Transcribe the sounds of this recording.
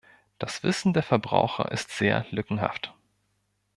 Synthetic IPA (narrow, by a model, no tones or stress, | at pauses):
d̥asv̥ɪsn̩deːɐfɛɐbʁa̰ʊxɐ̰ʔɪstz̥eːɐlʏkŋ̩ɦa̰ft